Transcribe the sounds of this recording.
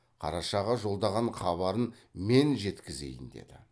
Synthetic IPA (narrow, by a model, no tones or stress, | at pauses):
qʰɑ̰ɾɑʃɑʁɑʒo̞lˠd̪ɑʁɑɴχɑβɑɾənme̞nʒe̞t̪kʲɪze̞̰jɪnd̪e̞̰d̪ɪ